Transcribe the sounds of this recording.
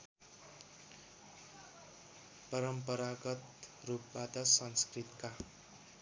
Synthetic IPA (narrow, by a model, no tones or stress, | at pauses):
pʌɾʌmpʌɾaɡʌt̪rup̚bat̪ʌsʌnskrit̪ka